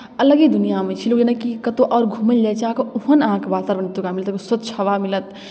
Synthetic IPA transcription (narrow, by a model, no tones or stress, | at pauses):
ɐləɡid̪ʊnijamẽt͡ʃʰiloːkd͡ʒenəkikɐt̪oʔɔːɾɡʱuːməllet͡ʃãːkuɦənãːkbaːt̪aɾʋɐnt̪ːukamilət̪ksət̪̚t͡ʃʰɐʋamilət̪